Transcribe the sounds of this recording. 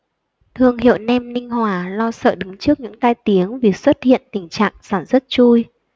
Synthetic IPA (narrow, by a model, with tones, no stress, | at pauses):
t̪ʰɨ˨˩əŋhḭ˧˨ə˨wnɛ˧mnï˧ŋ̟hwaː˨˩lɔ˧sə̰ː˧˨ɗɨ˨˦ŋt͡ɕɨ˦˥ək̚ɲɨ̰˧˥ŋt̪aː˧jt̪i˨˦əŋvi˨˩swə˦˥t̚hḭ˧˨ənt̪ï˨˩ŋ̟t͡ɕa̰ː˧˨ŋsaː˧˩nswə˦˥t̚t͡ɕu˧j